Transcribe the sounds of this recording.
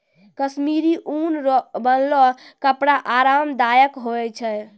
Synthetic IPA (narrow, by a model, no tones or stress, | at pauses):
kəsmiɾiʔunɔbənlɔkəpɽaʔaɾamd̪ajəkɦoɛt͡ʃʰɛ